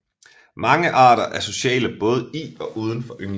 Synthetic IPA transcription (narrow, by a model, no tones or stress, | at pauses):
mɑ̈ŋəʔɑ̈ːɾɐʔæɐso̝ɕɛ̰ːləb̥ɔ̽ːð̞ˠəiɒ̽ʔuːð̞ˠən̩fɒ̽ʔøŋ